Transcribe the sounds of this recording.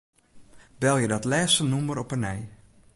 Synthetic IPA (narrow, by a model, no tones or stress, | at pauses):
bɛlˠjədɔtlɛːstənuməɾɔpənɛj